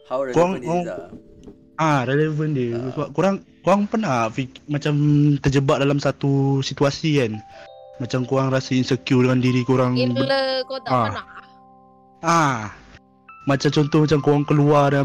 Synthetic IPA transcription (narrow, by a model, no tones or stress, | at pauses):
koaŋk | ʔaɾelevəndiəsaʔkuɾaŋkoaŋpərnafimat͡ʃamt̪ərd͡ʒəbaʔ̚dalamsat̪usit̪uasikanmat͡ʃamkuɾaŋɾasainsəkjudəŋandiɾikuɾaŋəa | a | mat͡ʃamt͡ʃɔnt̪ɔhmat͡ʃamkoaŋkəluada